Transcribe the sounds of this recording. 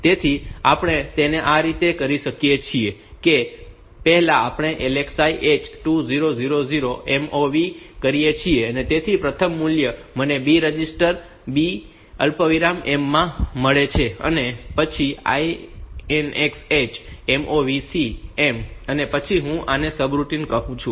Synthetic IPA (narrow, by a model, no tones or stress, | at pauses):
t̪et̪ʰiapəɳ̃et̪eneʔaɾit̪ekəɾiʃəkjet͡ʃʰieke | pɛɦɛlaapɳ̃eʔeleksaiʔet͡ʃʈuziɾoziɾoziɾoʔemoʋikəɾijet͡ʃʰieənet̪et̪ʰipɾət̪ʰəmːuljə | mənebiɾəd͡ʒisʈəɾ | bi | əlpəʋiɾamemːãməɭet͡ʃʰeə̰nepət͡ʃʰia̰ienekset͡ʃemʔoʋisiemənepət͡ʃʰiɦũʔanesəbɾuʈinkəɦũt͡ʃʰũ